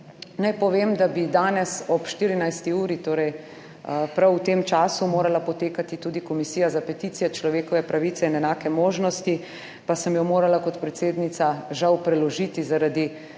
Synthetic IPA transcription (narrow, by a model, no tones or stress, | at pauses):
najpɔʋeːmd̪abid̪aːnɛsɔpʃt̪iːɾinajst̪iuːɾit̪oːɾɛj | pɾawt̪eːmt͡ʃaːsumoːɾalapɔt̪eːkat̪it̪uːd̪ikɔmisiːjazapɛt̪iːt̪sijɛt͡ʃlɔʋeːkɔʋɛpɾaʋit̪ɛinɛnaːkɛmoːʒnɔst̪i | pasəmjɔmoːɾalakɔt̪pɾɛt̪seːd̪nit̪saʒawpɾɛlɔʒiːt̪izaɾad̪i